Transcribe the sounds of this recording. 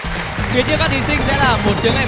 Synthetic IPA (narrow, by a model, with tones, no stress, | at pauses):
fi˨˦ət͡ɕkaː˦˥k̚t̪i˨˦sï˧ŋ̟sɛ̰˧˥laː˨˩mo˨˩t̚t͡ɕi˨˦əŋʔa˧